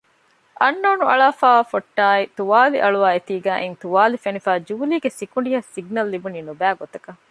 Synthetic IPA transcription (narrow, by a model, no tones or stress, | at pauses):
ʔɐnːoːnuɐɭaːfaːʋafoʈːaːit̪uʋaːliʔɐɭuʋaːet̪iːɡæːʔent̪uʋaːlifenifaːd͡ʒuːliːɡesikuɳɖiɦɐsiɡnɐlːibuniːnubæːɡot̪ɐkɐ